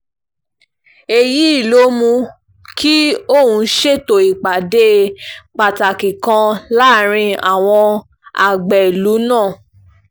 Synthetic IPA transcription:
e˨ji˨˦i˦˨lo˨˦mũ˧ | ki˦o˦˨hũ˧˦ʃe˦to˨i˨k͡pa˨de˦k͡pa˨ta˨ki˨kã˧la˦˨ɾ̃ĩ˧a˨w̃ɔ̃˧ | a̰˨ɡ͡bɛ˨i˨lu˨˦nãː˦˨

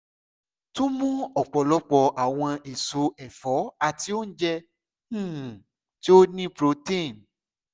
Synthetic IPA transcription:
tũ˦mũ˦ɔ˨k͡pɔ˨lɔ˨˦k͡pɔ˧ʔa˨w̃ɔ̃˧e˨su˨˦ɛ˨fɔ˨˦a˨ti˧˦o˦n̩˦d͡ʒɛ̃˦˨ | ti˦o˦nĩ˦pɾo˧˦tĩ˦˨n

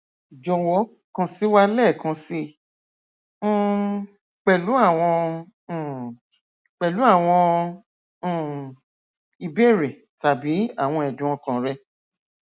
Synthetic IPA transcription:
d͡ʒɔ̃˧wɔ˨˦ | kã˧si˨˦wa˦lɛː˦˨kã˨˧˦si˧˨ | k͡pɛ˨lu˨˦a˦˨w̃ɔ̃˧˨ | k͡pɛ˨lu˨˦a˦˨w̃ɔ̃˧˨ | i˧be˦˨ɾe˨ | ta˨bi˨˦a˦˨w̃ɔ̃˧ɛ˨dũ˨˦ɔ̃˧kã˨ɾɛ˧

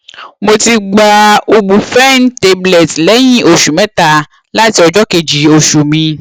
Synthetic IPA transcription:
mo˧ti˧ɡ͡ba˨o˨bu˨fɛ˦˨n˦te˦blɛ˨tlɛ˨˦ɲĩ˦ʔo˨ʃu˨mɛ̃˦t̪a˨ | la˦ti˦ɔ˨d͡ʒɔ˦ke˨d͡ʒi˨o˨ʃu˨mĩ˧

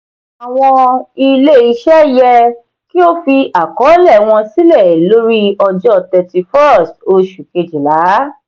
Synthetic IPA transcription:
a˨w̃ɔ̃˧i˧le˦i˧ʃɛ˦jɛ˧ | ki˦o˦fi˧ʔa˨kɔ˨˦lɛ˦˨w̃ɔ̃˧si˦lɛ˦˨lo˦ɾi˦ɔ˧d͡ʒɔ˦tɛ˧ti˧fɔ˦ɾɔ˦˨sto˧ʃu˨ke˧d͡ʒi˨la˨˦

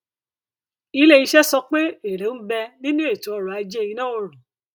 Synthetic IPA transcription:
i˧˦le˦˨i˧ʃɛ˦sɔ˧k͡pe˦e˨ɾe˨˦n̩˦bɛ˧nĩ˦nũ˦e˦˨to˨˦ɔ˧ɾɔ˨a˨˧d͡ʒɛ˦˧ĩ˧nã˦o˧ɾũ˨

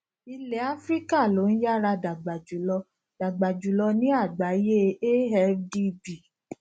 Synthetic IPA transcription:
i˧le˨a˦fɾi˦ka˦˨lo˨˦ñ̩˦ja˦ɾa˧da˨ɡ͡ba˨d͡ʒu˨˦lɔ˧ | d̥a˨ɡ͡ba˨d͡ʒu˨˦lɔ˧nĩ˦a˦˨ɡ͡ba˨˦je˦e˦ɦɛ˦di˦bi˨

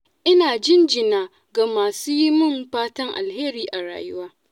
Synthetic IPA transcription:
ʔɪ˦naː˨d͡ʒɪ˦nd͡ʒɪ˨naː˨ | ɡa˨maː˨suː˦ji˦mʊ˦mɸaː˦tɐ˦ŋʔa̰˨lheː˦ɾiː˨ʔa˨ɽa̰ː˨jʊ˦waː˦

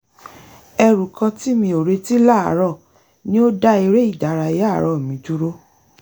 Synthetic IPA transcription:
ɛ˧ɾu˨kã˧ti˦mĩ˧o˨ɾe˧ti˦la˦˨a̰˨˦ɾɔ˦˨ | nĩ˦o˦da˦i˧ɾe˦i˦˨da˨˦ɾa˧jɾɔ˧˨mĩ˨˧˦d͡ʒu˦ɾo˦

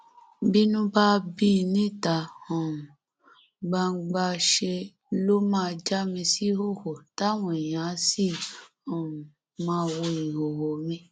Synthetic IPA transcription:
bi˦nũ˦ba˦bi˦˧nĩ˦˨ta˨ɔ̃˨u˨ | ɡ͡ba˧˦ɡ͡ba˧ʃe˧ | lo˦mãː˦˧d͡ʒa˦mĩ˧si˦ho˦˨ho˨ta˦˨w̃ɔ̃˧˨i˨j̃ã˨˦si˦˨ | ɔ̃˨u˨ | mãː˦˧wo˧i˨ɦo˨ho˨mĩ˧

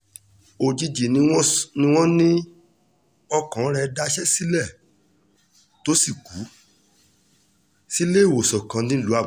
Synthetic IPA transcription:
o˨d͡ʒi˧d͡ʒi˨nĩ˧w̃nĩ˧w̃ɔ̃˦nĩ˦ | ɔ˧kɔ̃˨˦ɾ̃ɛ˧da˧ʃɛ˦si˦lɛ˦˨ | to˦si˦˨ku˨˦ | si˦le˦˨wo˨sɔ˨kã˧nĩ˦lu˨˦a˦˨˦

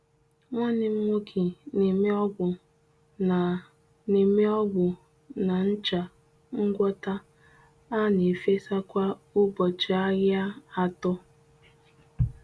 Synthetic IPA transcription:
ŋʷa˦nɪ˨m̩˦mo˦kʰi˨ne˨me˦ɔ˦ɡʊ˨ | na˨ | ne˨me˦ɔ˦ɡʊ˨ | na˨n̩˦t͡ʃa˨ | ŋ̩˦ɡʷɔ˦ta˦ | a˦ne˨fe˦sa˦kʷa˦u˦bɔ˨t͡ʃɪ˨a˦ɣja˦a˨tɔ˦

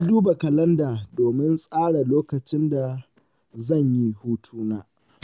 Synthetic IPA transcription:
a˦duː˦ba˨kɐ˨lɐ˦ndaː˨doː˨mɪ˦nsʼaː˦ɽa˨loː˦kɐ˨t͡ʃɪ˦nda˨ | zɐ˦˨ɲji˦huː˦tʰuː˦naː˦

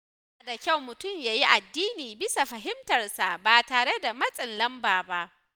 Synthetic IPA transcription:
a˨da˨kʲa˦˨wmʊ˨tʊ˦˨mjaː˨ji˦ʔa˨dːiː˦niː˨bɪ˦sa˨ɸɐ˨ɦɪ˦mtɐ˨rsa˨baː˨taː˨ɽe˦da˨mɐ˦sʼɪ˨nlɐ˦mbaː˨ba˦ʔ

